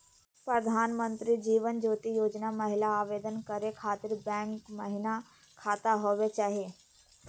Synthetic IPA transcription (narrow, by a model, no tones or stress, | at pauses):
pɾɐd̪ʱaːnmənt̪ɾid͡ʒiːʋənd͡ʒoːt̪ijoːd͡ʒnamɐɦɪlaaːʋeːd̪ənkɐɾekʰaːt̪ɪɾbɛ̃ːŋkmɐɦɪna | kʰaːt̪aɦoːʋet͡ʃaːɦieː